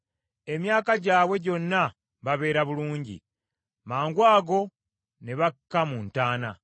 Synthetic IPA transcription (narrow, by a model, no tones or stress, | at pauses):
e̞mjaːkaɟaːβwe̞ɟo̞nːa | βaβe̞ːɾaβuluːɲɟḭ | maːŋɡwaːɡo̞ | neβakːamuːntaːna̰